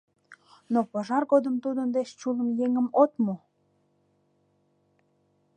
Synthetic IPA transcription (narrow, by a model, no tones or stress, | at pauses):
nopəʒɑrɣod̪əmt̪ud̪ənd̪eʃt͡ɕuləmjeŋəmot̪mo